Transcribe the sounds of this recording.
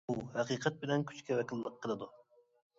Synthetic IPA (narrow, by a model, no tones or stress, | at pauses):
uhæqʰiːqʰɛt̪̚bɪlɛnkʲʰy̥t͡ʃkʲɛvɛkʲʰilˠːəqʰːəlˠɨd̪u